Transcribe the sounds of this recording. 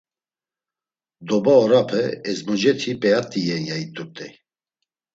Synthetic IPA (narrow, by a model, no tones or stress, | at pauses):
d̪ɔbaɔɾapʰɛɛzmɔd͡ʒɛt̪ʰipʼɛjat̪ʼijɛjait̪ʼut̪ʼɛ